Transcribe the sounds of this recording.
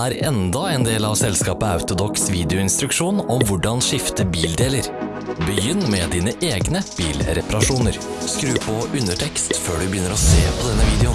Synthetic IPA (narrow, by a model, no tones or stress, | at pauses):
æːɾɛnd̪ɑɛnd̪eːlɑʋsɛlskɑːpəɑʉt̪ʊd̪ɔksʋiːd̪ɪʊɪnst̪ɾʉkʂuːnɔmʋʊɖɑnʂɪft̪əbiːld̪eːləɾ | bəjʏnːmɛd̪iːnəʔeːɡnəb̥iːlɾɛpɑɾɑʂuːnəɾ | skɾʉːpʰɔʔʉnəʈʰɛkst̪føːɖʉbəjʏnːəɾɔseːpʰɔd̪ɛnːəʋiːd̪ɛʊ